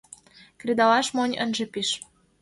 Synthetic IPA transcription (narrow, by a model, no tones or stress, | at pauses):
kred̪ɑlɑʃmonʲə̰nʒĕpiʃ